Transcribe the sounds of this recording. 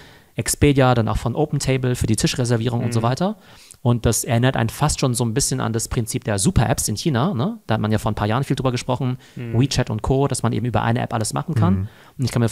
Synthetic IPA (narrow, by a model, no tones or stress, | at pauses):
ʔɛkspeːdjadanʔa̰ʊxfɔnʔoʊpn̩tʰeɪbl̩fyːɐdiːtʰɪʃʁɛzɛɐviːʁ̞ʊŋʊntz̥oːvaɪtɐ | ʔʊnt̚d̥asɛɐʔɪnɐtʔa̰ɪnfastʃoːnzoːnbɪsçəna̰ndaspʁ̥ɪnt͡siːp̚d̥eːɐzuːpʰɐʔɛ̰psɪnçiːnanəd̥aːhatmanjaːfoːɐnpʰaːɐjaːʁənfiːldʁyːbɐɡəʃpʁ̥ɔχn̩ | ʁiːt͡ʃɛtʊ̰ntkʰoːd̥asmanʔḛːbm̩ʔyːbɐ̰ʔa̰ɪnəʔɛ̰pʔa̰ləsma̰χn̩kʰan | ʊntɪçkʰanmiː